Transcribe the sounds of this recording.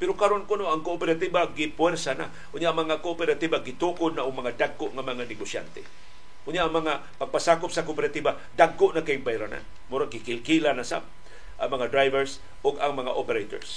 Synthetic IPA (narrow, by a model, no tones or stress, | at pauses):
pɛɾokaɾonkʊnoʔaŋkoʔːpɛɾat̪ibaɡɪpwɛrsana̰ | ʔʊnjaʔaŋmaŋakoʔopɛɾat̪ibaɡɪt̪ukʊd̪nːaʔʊŋmaŋad̪aɡːoʔŋamaŋanɪɡosja̰nt̪ḛ | ʔʊnjaʔaŋmaŋa | paɡ̚pasaːkʊpsakopɛɾat̪iba | daɡːʊʔnakajŋbajɾana̰n | mʊɾaɡɪkɪlkilanasa̰p̚ | ʔamɐŋad̪ɾajvɛɾs | ʊɡaŋmaŋaʔopɛɾejt̪o̰ɹs